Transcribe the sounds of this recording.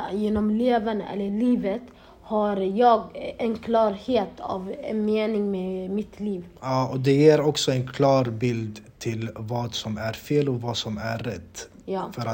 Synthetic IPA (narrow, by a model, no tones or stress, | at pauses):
jeːnɔmleːvənʔɛ̰lːəɭiːvət̪ | haɾjɑːɡɛnkʰlɑːɾheːt̪ʰɑ̰ːvɛnmeːnɪŋmemɪt̪liːvɑːɔd̪ɛjeːɾɔksɔɛnkʰlɑːɾbɪld̪t̪ʰɪlvɑːd̪sɔmæɾfeːlɔvɑsɔmæɾɛt̪ː | jɑːfœɾa